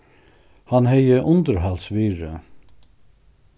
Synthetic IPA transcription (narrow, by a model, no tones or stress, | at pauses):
hanhɛjəʔʊnt̪əɾɦalsʋiːɹə